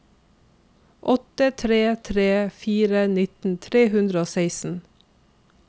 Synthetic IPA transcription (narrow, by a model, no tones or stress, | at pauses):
ʔɔt̪ət̪ʰɾeːt̪ʰɾeːfiːɾənɪt̪n̩t̪ʰɾeːhʉnd̪ɾəoːsæɪsn̩